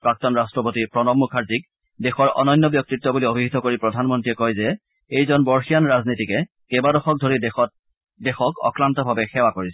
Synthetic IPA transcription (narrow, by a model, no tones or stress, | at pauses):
pɹak̚tɔnɹastɹɔpotipɹɔnɔmmːukʰaɹzik | dexɔɹʔɔ̰nɔjnːɔbjɔk̚titːɔbuliobʱiɦit̪ɔkoɹipɹɔdʱanmɔntɹiɛkɔjzɛ | ejzɔnbɔɹxijanɹaznitikɛ | kɛbadɔxɔk̚dʱoɹidɔ | dɛxɔkɔ̰kɹantɔbʱabɛxɛwakoɹisɛ